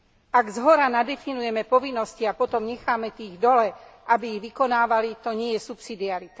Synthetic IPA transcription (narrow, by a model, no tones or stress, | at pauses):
aɡzɦɔɾanad̪ɛfinujɛmɛpɔʋinːɔsciapɔt̪ɔmɲɛxaːmɛt̪iːɣd̪ɔlɛʔabiiɣʋikɔnaːʋalit̪ɔɲɪɛjɛsupsid̪iaɾit̪a